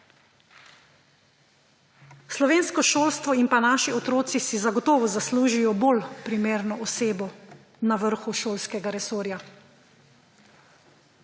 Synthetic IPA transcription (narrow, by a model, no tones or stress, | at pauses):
slɔʋeːnskɔʃoːlst̪ʋɔinpanaːʃiɔt̪ɾoːt̪sisizaɡɔt̪ɔːʋɔzasluːʒijɔbolpɾimeːɾnɔʔɔseːbɔ | naʋəɾxuʃoːlskɛɡaɾɛsoːɾja